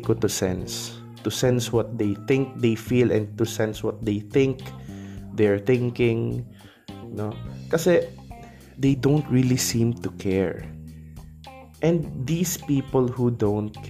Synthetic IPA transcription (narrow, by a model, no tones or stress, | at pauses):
kot̪ʊsɛ̰̃ns | t̪ʊsɛ̃nswɔt̪̚d̪ejθɪ̃ŋk̚d̪ejfilɛ̃n̚t̪ʊsɛ̃nswɔt̪̚d̪ejθɪ̃ŋk | d̪ɛɹθɪ̃ŋkɪ̃ŋ | nokɐsɛ | d̪ejd̪õwnt̪ɹilisĩmt̪ʊkʰɛɹ | ʔɛ̃nd̪d̪ispiːpɔlhud̪õwnt̪̚kʰ